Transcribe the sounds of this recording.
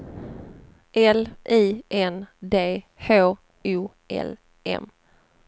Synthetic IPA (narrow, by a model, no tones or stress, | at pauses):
ʔɛlʔiːʔɛnd̪eː | hoː | ʉː | ʔɛ̰l | ʔɛ̰m